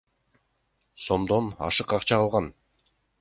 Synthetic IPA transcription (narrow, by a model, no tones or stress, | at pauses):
so̞md̪o̞nɑ̰ʃɯqɑqt͡ʃɑɑlˠʁɑn